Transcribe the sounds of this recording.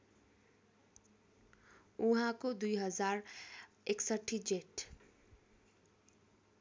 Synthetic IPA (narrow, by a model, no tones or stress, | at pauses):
uɦãkod̪ujɦʌd͡zaɾ | eksʌʈʰːid͡ʒeʈ